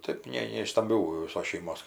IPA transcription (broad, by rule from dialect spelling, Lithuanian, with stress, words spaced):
ˈtɜp ˈnʲɛ nʲɛ ɪʃ stɐmʲˈbʲuː ʋʲɪˈsoːs ʃʲɛɪˈmoːs